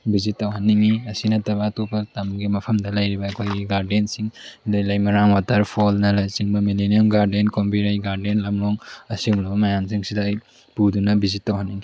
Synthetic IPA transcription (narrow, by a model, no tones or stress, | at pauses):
bizitːawɦanːiŋiɐsinɐtɐβatopɐtamɡimɐpʰɐmdɐlɐjɾibɐːkʰojɡiɡaɾdensiŋdajlɐjmɐɾaŋwatʰɐɾpʰolnɐlajsiŋbɐmilinijamɡaɾdenkompiɾajɡaɾdenlɐmɾoŋɐsilɐbɐmɐjamsiŋsidɐːj | pudunɐbizitːawhanːiŋi